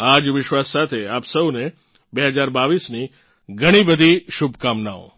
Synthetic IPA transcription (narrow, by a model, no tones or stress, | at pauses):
ad͡ʒʋɪʃʋasːat̪ʰeapsəwne | beɦəd͡ʒaɾbaʋisni | ɡʱəɽ̃ibəd̪ʱiʃubʱkamnaõ̰